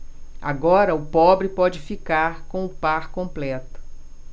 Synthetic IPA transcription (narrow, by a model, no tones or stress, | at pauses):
a̰ɡɔɾɐʊpɔbɾɪpɔd͡ʒɪfikaɾkõw̃ʊpaɾkõmplɛt̪ʊ̥